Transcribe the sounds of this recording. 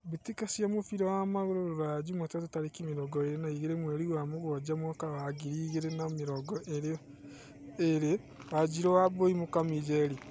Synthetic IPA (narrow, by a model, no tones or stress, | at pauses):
βetikasjamofiɾɔwamaɣoɾoɾoɾaad͡ʒumwatatutaɾekimeɾɔɡɔeɾenaiɣeɾemwɛɾiwamoɣɔd͡ʒamwakawaɡiɾiːɣeɾenameɾɔɡɔʔeɾe | eɾe | wad͡ʒiɾɔwaboimokamid͡ʒɛɾi